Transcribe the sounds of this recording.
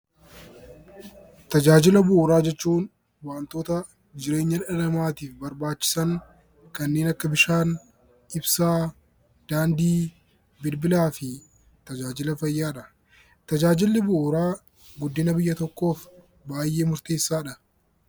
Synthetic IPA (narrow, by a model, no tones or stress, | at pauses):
t̪ɐd͡ʒaːd͡ʒɪlɐbʊʔːɾaːd͡ʒɛt͡ʃːuːn | waːnt̪o̞ːt̪ɐ | d͡ʒɪɾe̞ːɲːɐᶑɐlɐmaːt̪iːfbɐɾbaːt͡ʃːɪ̥sɐŋ | kɐnːe̞ːnɐkːɐbɪʃaːn | ʔɪbsaː | d̪̥aːnd̪iː | bɪlbɪlaːfɪ | t̪ɐd͡ʒaːd͡ʒɪlɐfɐjːaːᶑɐ | t̪ɐd͡ʒaːd͡ʒɪlːɪbʊʔʊɾaː | ɡʊd̪ːɪnɐbɪjːɐt̪ɔkːo̞ːf | baːjːʔe̞ːmʊɾt̪eːsːaːᶑɐ